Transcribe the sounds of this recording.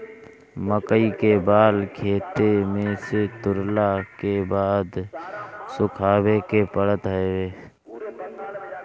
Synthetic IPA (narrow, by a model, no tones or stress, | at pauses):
məkəikebaːlkʰeːt̪emẽset̪ʊɾlakebaːd̪ | sʊkʰaːwekepəɽət̪ɦeeː